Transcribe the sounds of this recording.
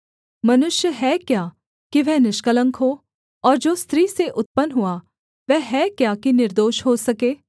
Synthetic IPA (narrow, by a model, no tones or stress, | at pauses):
mɐnʊʃjəɦɛkjaː | kiʋɛɦnɪʃkələ̃ŋkɦoː | ɔːɾd͡ʒoːst̪ɾiːseʔʊt̪̚pənɦʊa | ʋɛɦɛkjakinɪɾd̪oːʃɦosɐkeː